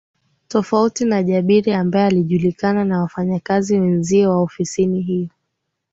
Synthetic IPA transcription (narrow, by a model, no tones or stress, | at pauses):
tɔfautinaʄaɓiɾiambaɛaliʄulikananawafaɲakaziwɛnziɛwaɔfisiniɦiɔ